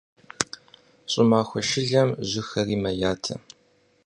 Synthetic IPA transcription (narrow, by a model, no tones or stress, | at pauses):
ɕʼɪmaːxʷɔʃɪɮɐmʑʷʊxɐriːmɐjaːtʰɐ̰